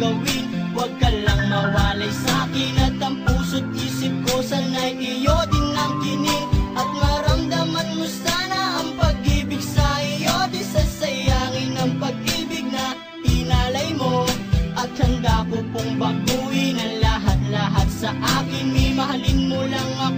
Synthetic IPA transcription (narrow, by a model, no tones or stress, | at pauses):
ɡɐwɪn | wɐɡ̚kɐlɐŋmɐwaːlɐjsɐʔaːkɪnɐt̪ɐmpuːsod̪̚ʔiːsɪp̚kosɐnɐjʔɪjod̪ɪnːɐŋkɪnɪŋʔɐt̪̚mɐɾɐmd̪amɐnmʊsaːnɐʔɐŋpɐɡ̚iːbɪɡsɐɪjod̪ɪsɐsɐjaːŋɪnɐŋpɐɡ̚ʔiːbɪɡ̚nɐ | ɪnalɐjmoʔɐt̪̚hɐnd̪akopʊŋbɐbuːhinɐŋlaɦɐt̪̚laɦat̪̚sɐʔaːkɪnmimɐɦalɪnmolɐŋɐ